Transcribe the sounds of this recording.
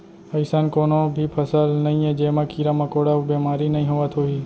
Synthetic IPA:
əɪsankoːnoːbʱiːpʰəsəlnəɦĩẽːd͡ʒeːmãːkiːɾãːmãːkoːɽaːubeːmaːɾiːnəĩɦoʋat̪ʰoːɦiː

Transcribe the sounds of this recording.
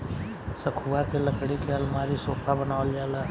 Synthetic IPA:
səkʰuakeləkɽikʰalmaːɾisoːpʰabənaːʋəljaːla

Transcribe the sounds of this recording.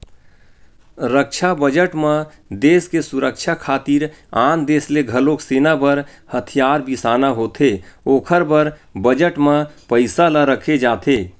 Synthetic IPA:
ɾəkt͡ʃʰabəd͡ʒəʈmẽ | d̪eːskesuɾəkt͡ʃʰakʰaːt̪iːɾaːnd̪eːsleɡʱəlokseːnabəɾ | hət̪ʰijaːɾbisaːnaɦoːt̪ʰeoːkʰəɾbəɾbəd͡ʒəʈmepəɪsaləɾəkʰed͡ʒaːt̪ʰe

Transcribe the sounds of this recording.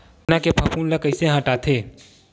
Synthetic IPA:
nakepʰapuːnləkəɪseɦãːʈaːt̪ʰeː

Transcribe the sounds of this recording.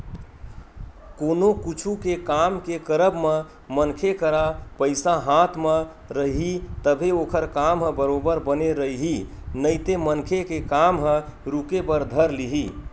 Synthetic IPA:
konokut͡ʃʰukekamkekəɾəbme | mənkʰekəɾapəɪsaɦat̪ʰmẽ | ɾəɦɦit̪əbʱeokʰəɾkamɦə̃bəɾobəɾbəneɾəiɦi | nəɪt̪emənkʰekekamɦə̃ | ɾukepəɾd̪ʱəɾliɦi

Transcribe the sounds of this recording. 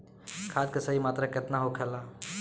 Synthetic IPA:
kʰaːd̪̚kesəɦimaːt̪ɾaket̪naɦokʰɛːlaː

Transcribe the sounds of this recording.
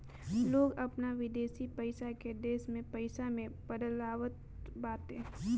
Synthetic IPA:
loːɡɐpnaʋɪd̪eːsipɐɪsaked̪eːsmẽpəɪsamẽpəd̪laːʋət̪̚ | baːt̪ɦẽː

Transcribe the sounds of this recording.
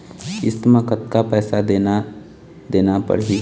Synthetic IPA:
ɪ̰smə̃kət̪̚kapɛːsad̪eːn | d̪eːnapə̰ɽɦi

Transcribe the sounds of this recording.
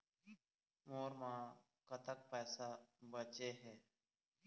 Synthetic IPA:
moːɾmãː | kət̪ək̚pɛːsaːbət͡ʃeːɦɛː

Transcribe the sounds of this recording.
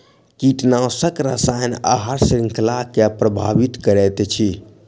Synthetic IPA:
kiʈnawsəkɾəsajna̰ɦaɾsɾiŋklakepɾəbʱa̰ʋit̪kəɾɛt̪ɛt͡ʃʰi

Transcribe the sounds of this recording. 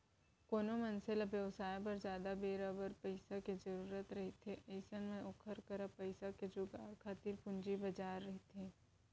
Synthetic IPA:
koːnomɐnselɐbjəʋsaːjp̬ɐɾzjaːd̪abeːɾaːbəɾpɐɪsaked͡ʒɐɾuːɾət̪ɾɐɦit̪ʰeʔeɪsənmẽʔokʰəɾkəɾapɐɪsaked͡ʒʊɡakʰaːt̪ɪɾpʊ̃ɲd͡ʒibɐd͡ʒaːɾːɐɦit̪ʰeː

